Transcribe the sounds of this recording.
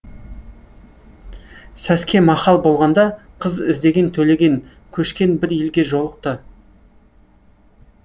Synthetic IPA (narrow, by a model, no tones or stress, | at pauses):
sæskʲe̞mɑχɑlˠbo̞lˠʁɑnd̪ɑqʰəzɪ̰zd̪e̞ɡʲe̞nt̪ʰɵle̞ɡʲe̞ŋ | kʲʰɵʃkʲe̞nbɪɾjelɡʲe̞ʒo̞lˠəq̚t̪ə